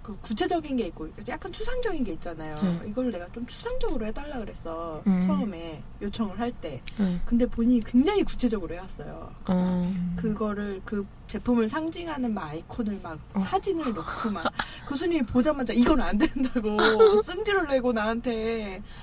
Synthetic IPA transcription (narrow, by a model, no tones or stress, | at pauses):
kɯkut͡ɕʰe̞d͡ʑʌɡinɡe̞ik̚k͈okjak͈ant͡ɕʰusʰaŋd͡ʑʌɡinɡe̞it̚t͡ɕ͈anajoiɡʌɾɯɭne̞ɡat͡ɕomt͡ɕʰu̥sʰaŋd͡ʑʌɡɯɾohedaɭːaɡɯɾe̞s͈ʰʌt͡ɕʰʌɯme̞ | jot͡ɕʰʌŋɯɭɦaɭt͈e̞kɯnde̞poɲiɲikweŋd͡ʑaŋiku̥t͡ɕʰe̞d͡ʑʌɡɯɾohewas͈ʌjo̰ | kɯɡʌɾɯɭkɯ | t͡ɕe̞pʰumɯɭsʰaŋd͡ʑiŋɦanɯnmaikʰonɯɭmak̚sʰad͡ʑinɯɭnok͈ʰuman | kɯsʰuɲimipod͡ʑamad͡ʑaiɡʌnɯnandwe̞nɯndaɡos͈ɯŋd͡ʑiɾɯɭːe̞ɡonaantʰe̞